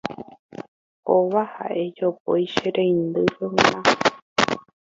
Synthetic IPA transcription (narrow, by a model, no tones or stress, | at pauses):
oβaha̰ʔe̞d͡ʒopo̰jʃeɾẽjnd̪ɨɾenã